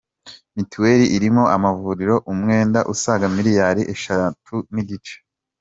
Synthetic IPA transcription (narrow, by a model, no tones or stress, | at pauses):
mituweɾiʔiɾimo̞ʔamavuːɾiɾo̞ʔumŋe̞ːndaʔusaɡamiɾijaɾiʔeʃatʰuniɟit͡ʃe̥